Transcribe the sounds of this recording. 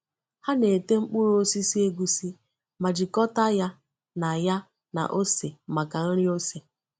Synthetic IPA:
ha˦ne˨te˦ŋ͡m̩˦k͡pu˦ɾo˦si˦si˦e˦ɡu˨si˦ | ma˨d͡ʒi˨kɔ˦ta˦ja˦ | na˨ja˦ | na̰˨ʔo˦se˨ma˨ka˨n̩˦ɾi˦o˦se˨

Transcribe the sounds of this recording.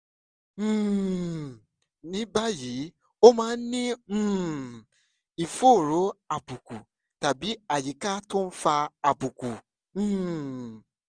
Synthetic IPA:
nĩ˦ba˦ji˨˦ | o˦mãː˦nĩ˦˨ | i˨fo˦˨ɾo˨˦a˨bu˨ku˨ | ta˨bi˨˦a˨ji˨˦ka˦to˦n̩˦fa˧a˨bu˨kũ˨˦˨

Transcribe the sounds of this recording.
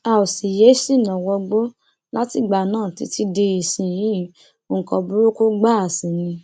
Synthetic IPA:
a˧˨o˨si˨je˨˦si˦˨nɔ̃˨wɔ˧ɡ͡bo˦ | la˦ti˦˨ɡ͡ba˨nãː˦˨ti˨˦ti˦de˧i˨sĩ˧˨jĩ˦ | o˧˨ŋ̩˨kɔ˧bu˦ɾo˦ku˦ɡ͡ba˦a˨sĩ˨nĩ˧

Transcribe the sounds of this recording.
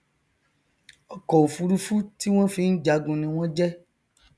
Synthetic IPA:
ɔ˨kɔ˨o˨fu˧ɾu˦fu˦ti˦w̃ɔ̃˦fi˧˦n̩˦d͡ʒa˨˦ɡũ˧nĩ˧w̃ɔ̃˦d͡ʒɛ˦

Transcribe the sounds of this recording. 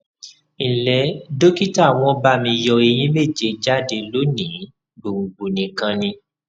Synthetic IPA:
ĩ˨lɛ˨˦do˦ki˦ta˦˨w̃ɔ̃˧ba˧˨mĩ˧jɔ˧e˧j̃ĩ˨˦me˦˨d͡ʒe˨˧d͡ʒa˦de˧lo˨˦nĩ˨˦ | ɡ͡bo˨ŋ͡m̩˨ɡ͡bu˨nĩ˨kã˧nĩ˧

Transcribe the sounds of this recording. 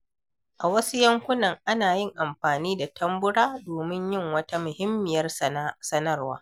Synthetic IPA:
ʔa˨wɐ˦su˦jɐ˦ŋkʷʊ˦nɐ˨ŋʔa˦naː˨jɪ˦˨ŋʔa˨mɸaː˨niː˦da˨tʰɐ˦mbʊ˦ɽaː˦doː˨mɪ˦ɲjɪ˦ŋwɐ˦ta˦mʊ˨hɪ˦mːɪ˨jɐ˦rsɐ˦nɐ˦rwa̰ː˦

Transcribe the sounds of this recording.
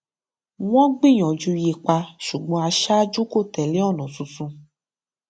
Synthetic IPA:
w̃ɔ̃˦ɡ͡bĩ˦˨j̃ɔ̃˨d͡ʒu˧je˧k͡pa˧ʃu˨ɡ͡bɔ̃˧a˧ʃa˦d͡ʒu˦ko˦˨tɛ˨li˦ɔ˦˨nɔ̃˨sũ˧sũ˧

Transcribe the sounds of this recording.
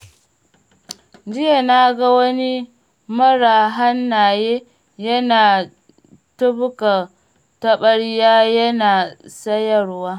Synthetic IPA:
d͡ʒi˦ja˨na˦ɡa˦wɐ˦ni˦ | mɐ˦ɾa˨ɦa˦nːa˨je˦ | jɐ˦naː˨ | tɐ˦bʊ˦ka˨ | tɐ˦ɓɐ˦ɽi˦jaː˦jɐ˦na˨sɐ˦jɐ˨ɾwaː˦

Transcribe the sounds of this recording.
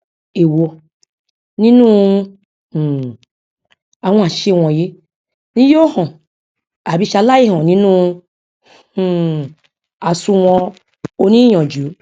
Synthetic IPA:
e˨wo˧ | nĩ˦nũ˦˨ | a˨wũ˧˦a˨ʃe˧˨w̃ɔ̃˨je˦ | nĩ˦jo˦hɔ̃˨ | a˨bi˧˦ʃa˧la˦ji˦hɔ̃˨nĩ˦nũ˦˨ | a˨sũ˧wɔ̃˧ | o˧nĩ˦j̃ɔ̃˨d͡ʒu˨˦

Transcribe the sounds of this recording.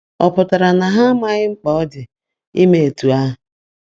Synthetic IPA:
ɔ˨pʊ˨ta˨ɾa˨na˨ɦa˦ma˦ɲɪ˦ŋ͡m̩˦k͡pɔ˨ɔ˦dɪ˨ | i˦me˨e˨tu˨a˦˨

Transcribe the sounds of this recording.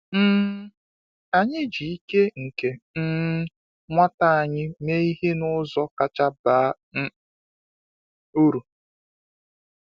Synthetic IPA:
m̩˦ | a˨ɲɪ˦d͡ʒi˨i˦ke˦ŋ̩˨ke˨n̩˦ | ŋʷa˦ta˦a˨ɲɪ˦me˦i˦ɦe˦nʊ˦zɔ˦ka˨t͡ʃa˦baː˦ | n̩˦ | u˦ɾu˨

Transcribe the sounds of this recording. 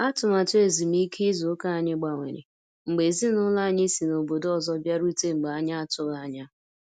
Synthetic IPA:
a˦tʊ˨ma˨tʊ˦e˨zi˨m̩˦i˦kʰi˦zʊ˨˦ka˦a˨ɲɪ˦ɡ͡ba˨ŋʷḛ˨ɾḛ˨ | ŋ͡m̩˨ɡ͡be˨zi˦nʊ˦la˦˨ɲɪ˦si˨no˨bo˨dɔ˦zɔ˦bja˦ɾu˦te˦ŋ͡m̩˨ɡ͡bɲa˦a˦tʊ˦ɣa˨˦ɲa˦

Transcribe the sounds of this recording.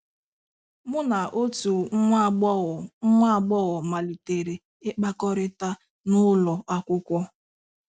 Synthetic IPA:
mʊ˦na˨ʔo˦tu˨˦˨ŋʷa˦˨ɡ͡bɔ˦ɣɔ˨ma˨li˨te˨ɾe˨ | ɪ˦k͡pa˦kɔ˦ɾɪ˦ta˦ | nʊ˦lɔ˨a˦kʷʊ˦kʷɔ˦

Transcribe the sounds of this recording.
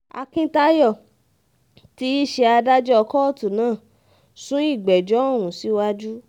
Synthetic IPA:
a̰˧kĩ˦ta˦jɔ˦˨ | ti˦i˦ʃɛ˧a˧da˦d͡ʒɛ˦ɔ˧kɔ˦˨tu˨nãː˦˨ | sũ˦i˦˨ɡ͡bɛ˨d͡ʒɔ˨˦ɔ˦˨wũ˨si˦wa˦d͡ʒu˦

